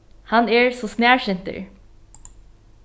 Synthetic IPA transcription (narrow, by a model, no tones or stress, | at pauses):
hɑnæːɹsoːsnæːɹʃɪnt̪ə̰ɹ